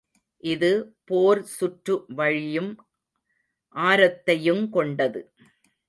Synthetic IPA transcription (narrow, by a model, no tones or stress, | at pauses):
ʔɪðɯpoːɾsʊʈrɯʋɐɻɪjɯm | ʔaːɾɐt̪ːɐjɯmkɔɳɖɐðɯ